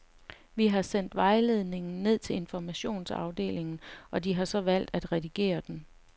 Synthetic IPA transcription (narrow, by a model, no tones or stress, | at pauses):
ʋiɦɑ̈sen̰d̥ʋɑ̈ɪle̝ð̞ˠne̝ŋn̩ːe̝ð̞̰ˠt͡sʰe̝le̝nfɒmæɕo̝̰ːnsɑ̈ʊd̥e̝̰ːle̝ŋn̩ʔɒ̽diɦɑ̈sɒ̽ʋæl̰d̥æd̥ʁɛd̥iɡ̥e̝̰ːɐd̥en